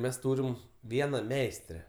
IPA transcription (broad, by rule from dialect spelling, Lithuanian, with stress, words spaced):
ˈmʲɛs ˈtuːrʲɪm ˈʋʲiɛnɐ ˈmʲɛɪsʲtʲrʲɛ